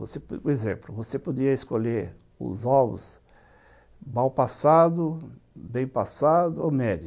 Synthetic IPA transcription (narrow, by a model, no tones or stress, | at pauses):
vo̰sepezḛ̃mplʊvosepod̪iɐeskoleɾ | ʊ̰zɔbʊ̰s | mawpasad̪ʊbẽj̃pasad̪ʊomɛd͡ʒ